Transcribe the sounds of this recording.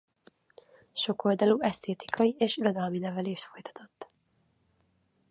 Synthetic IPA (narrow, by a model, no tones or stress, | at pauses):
ʃo̞ko̞ld̪ɒluɛst̪ʰeːt̪i̥kʰɒjieːʃiɾod̪ɒlminɛvɛleːʃt̪fo̞jt̪ɒ̥t̪o̞t̪ː